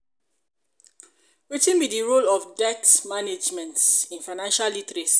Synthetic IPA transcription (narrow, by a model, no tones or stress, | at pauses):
wetĩnbidiɹolɔfdɛtmaned͡ʒmɛ̃ntsĩnfaɪnãnʃalitɾes